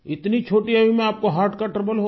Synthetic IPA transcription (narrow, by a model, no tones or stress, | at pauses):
ɪt̪nit͡ʃʰoːʈiaʋimẽaːp̚koɦaːɾʈkaʈɾɐbəlɦo